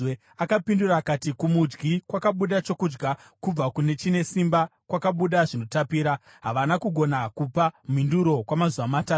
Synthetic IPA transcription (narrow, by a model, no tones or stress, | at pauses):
e | akapinduɾaːkatikumud͡ʒɡikwakaɓuɗat͡ʃo̞kuːd͡ʒɡa | kub͡vakune̞t͡ʃine̞simbakwakaɓuɗaʐino̞tapiːɾa | ɦaʋanakuɡʱo̞nakupam̤induɾo̞kwamazuʋamataːt